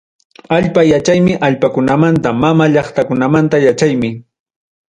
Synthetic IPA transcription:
aʎpajat͡ʃajmɪʔaʎpakʊnamant̪amamaʎɑχt̪akʊnamant̪ajat͡ʃajmɪ

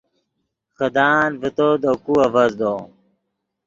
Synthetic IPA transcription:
xəd̪aːnvit̪od̪okuɐvɐzd̪o

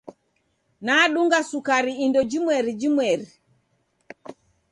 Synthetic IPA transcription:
naːɗuŋɡasukaɾiindɔd͡ʒimwɛɾid͡ʒimwɛɾi

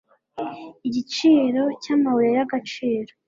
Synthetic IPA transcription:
iɟit͡ʃiːɾo̞caːmawuɾejaɡat͡ʃiːɾo

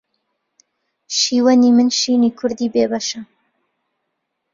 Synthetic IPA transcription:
ʃiːwɐniːmɨnʃiːniːkʰʊɾd̪iːbeːbɐʃɐ

